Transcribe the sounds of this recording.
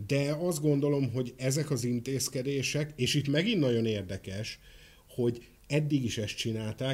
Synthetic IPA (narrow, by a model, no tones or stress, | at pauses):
d̪ɛɒzd̪̚ɡo̞nd̪o̞lo̞mɦo̞ɟɛzɛkɒzint̪eːskɛd̪eːʃɛkeːʃit̪mɛɡinːɒɟo̞neːrd̪ɛkɛʃ | ho̞ɟ | ɛd̪ːiɡiʃɛst̪̚t͡ʃinaːlt̪aː